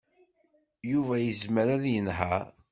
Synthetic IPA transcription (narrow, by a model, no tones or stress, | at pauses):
juvæjəzməɾæðjənɦæɾ